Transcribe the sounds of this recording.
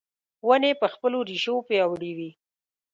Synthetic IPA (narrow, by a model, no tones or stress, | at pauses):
wənepəxpəloɾiʃopeawɽiwi